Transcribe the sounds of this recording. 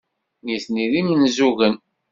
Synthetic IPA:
niθniðimənzuɣən

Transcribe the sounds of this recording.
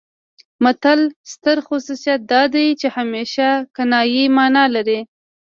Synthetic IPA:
mat̪alst̪əɾxʊsusijat̪̚d̪ɑd̪ajt͡ʃehameʃakanɑjimɑnɑlaɾi

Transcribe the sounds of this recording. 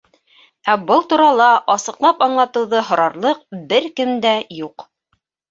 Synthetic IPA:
æbɤlˠt̪uɾɑlˠɑʔɑsɤ̆qlˠɑpɑɴlˠɑt̪ɤ̆wðɤɦŏɾɑɾlˠɤq̚bɘɾkɘmd̪æjuq

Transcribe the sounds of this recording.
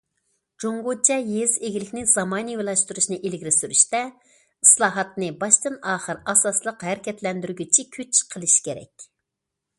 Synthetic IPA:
d͡ʒoŋɡut͡ʃʰɛjezeɡʲilɪkʲnɪz̥ɑmɑːnɨjolˠɑʃt̪uɾuʃnɨʔelɡʲiɾɪsyɾyʃt̪ɛ | islˠɑːɦɑt̪̚nɨbɑʃt̪ɨnɑːχəɾɑsɑslˠəqɦæɾɪkʲʰɛt̪lɛnd̪yɾɡʲyt͡ʃʰikʲʰyt͡ʃqʰəlˠɨʃkʲʰeɾɛ̰kʲ

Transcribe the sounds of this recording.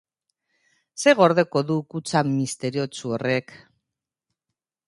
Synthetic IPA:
se̞ɣo̞ɾðe̞ko̞ðukut͡samist̪e̞ɾio̞t͡suore̞k

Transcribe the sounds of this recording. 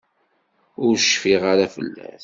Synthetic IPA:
ʊɾʃfiʁaɾafə̰lːæ̰θ

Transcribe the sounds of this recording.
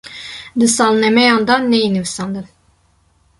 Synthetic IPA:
d̪ɨsɑlˠnɛmɛjɑnd̪ɑnːɛjinɨvɨst̪ɑnd̪ɨn

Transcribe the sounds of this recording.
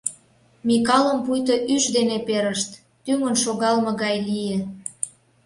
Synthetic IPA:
mikɑləmpujt̪oʔyʃd̪enepeɾəʃt̪ːyŋənʃoɣɑlmɤ̆ɣɑjlije

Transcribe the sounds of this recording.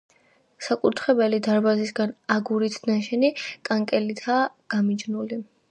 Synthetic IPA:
sakʼut̪ʰχɛbɛlid̪aɾbazisɡanaɡuɾit̪ʰnaʃɛnikʼaŋkʼɛlit̪ʰa | ɡ̥amid͡ʒnuli

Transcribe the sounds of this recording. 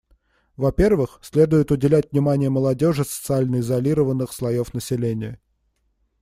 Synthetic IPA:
vɐpʲe̞rvɨxsʲlʲe̞d̪ʊjɪt̪ʊdʲɪlʲætʲvnʲɪmanʲɪjəməlˠɐdʲo̞ʐɨsə̥t̪sɨalʲnəɪzɐlʲiɾəvənːɨxslˠɐjo̞fnəsʲɪlʲenʲɪjə

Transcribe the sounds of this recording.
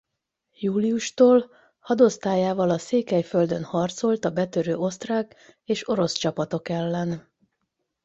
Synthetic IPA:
juːlijuʃt̪oːl | hɒd̪o̞st̪aːjaːvɒlɒseːkɛjfø̞ld̪ø̞nhɒrt̪so̞lt̪ɒbɛt̪øɾøːo̞st̪raːk | eːʃo̞ɾo̞st͡ʃɒpɒt̪o̞kɛlːɛn

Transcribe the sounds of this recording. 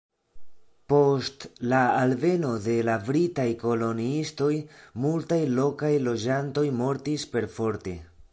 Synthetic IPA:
po̞stlaalve̞no̞de̞lafɾitajko̞lo̞niisto̞jmultajlo̞kajlo̞d͡ʒanto̞jmo̞ɾtispe̞ɾfo̞ɾte̞̰

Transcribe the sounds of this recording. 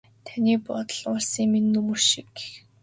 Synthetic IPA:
t̪ʰaniːpɔt̪ə̆ɮʊːɮsiːŋmenːɵmɵrʃik

